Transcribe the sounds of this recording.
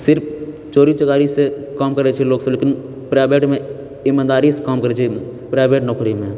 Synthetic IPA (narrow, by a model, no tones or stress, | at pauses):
sɪɾpʰ | t͡ʃoːɾit͡ʃəkaːɾisekaːmkəɾet͡ʃʰiloːɡsəleːkɪn | pɾaːbeːʈmẽ | ɪmãːnd̪aːɾisekaːmkəɾet͡ʃʰipɾaːɪbeːʈnɔːkɾimẽ